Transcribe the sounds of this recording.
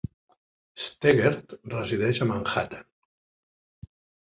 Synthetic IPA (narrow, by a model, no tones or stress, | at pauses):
st̪eɣeɾt̪rəziðɛʃəmaŋxat̪ḁ